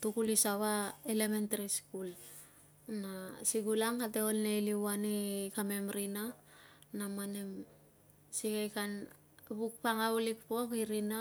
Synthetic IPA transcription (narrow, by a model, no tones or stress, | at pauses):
tukulisaβaelementaɾiskul | nasiɡulaŋkateolneliwanekame̞mɾina | namanem | sikajkan | βuk̚paŋaulikpo̞kiɾina